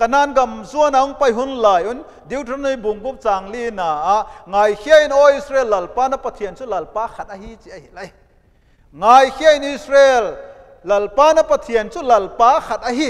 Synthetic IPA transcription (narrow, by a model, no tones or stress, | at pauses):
kɐnaːnɡɐmzuɐnaɔŋpɐjɦunlaːjʔun | d̪iwtʰanujbuŋɡup̚t͡saːŋlinaːʔŋaːjhʰiɐʔinʔɔisɾeːlːɐlpaːnapɐt̪ʰiənt͡sulɐlpaːxʰɐt̪̚ʔɐhit͡siʔɐhilɐj | ŋaːjhiaʔinʔisrelː | ɐlpaːnapɐt̪ʰiənt͡sulɐlpaːxʰɐt̪̚ʔɐɦi